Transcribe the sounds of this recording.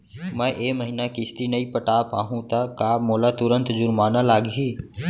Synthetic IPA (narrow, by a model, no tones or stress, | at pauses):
mɛ̃ʔeːməɦinakɪst̪inəipəʈaːpaːɦũt̪akaːmoːlat̪ʊɾə̃nt̪d͡ʒʊɾmaːnalaːɡɦiː